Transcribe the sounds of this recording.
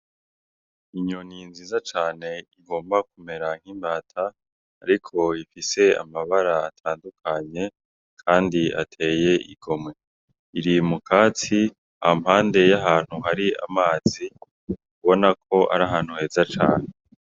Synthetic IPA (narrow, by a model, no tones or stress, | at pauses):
iɲoninziːzat͡ʃaːne̞iɡo̞ːmbak̚ume̞ɾaŋ̥hiːmbaːtʰaː | ɾikʰo̞ifise̞a̰maβaɾaːtʰaːndukʰaɲe̞ | kʰaːndia̰tʰe̞ːje̞ʔiɡo̞mwe̞ | iɾimukʰaːt͡si | ahamhaːnde̞jaɦaːn̥huɦaɾia̰maːzi | kuβo̞nakʰo̞ʔa̰ɾaɦaːn̥huhe̞ːzat͡ʃa̰ːne̞